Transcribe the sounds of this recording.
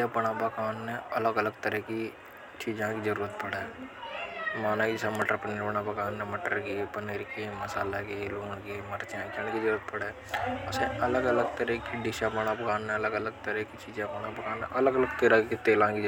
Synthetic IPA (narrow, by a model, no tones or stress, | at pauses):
apɐɽ̃abɐkaːnːeɐləɡələɡt̪əɾɛki | t͡ʃiːd͡ʒãkizɐɾuːɾət̪̚pɐɽe | maːnakid͡ʒsaməʈəɾpəneːɾbɐɽ̃abɐkaːnːeməʈəɾkipəneːɾkimɐsaːlakiluːɳkimɐɾt͡ʃãt͡ʃəɳ̃kizəɾuːɾət̪̚pɐɽe | ʊseɐləɡələɡt̪əɾɛkiɖɪʃabɐɽ̃abkaːnːẽɐləɡələɡ̚t̪əɾɛkit͡ʃiːd͡ʒãbɐnabɐkaːneʔɐləɡələɡ̚t̪eːlakit̪eːlãki